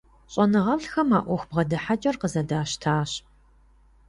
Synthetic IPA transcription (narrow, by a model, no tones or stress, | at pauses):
ɕʼɐnɨʁɐɬxɐmaːʔʷɔxʷbʁɐdɨħat͡ʃʼɐrqəzɐdaːʃtʰaːɕ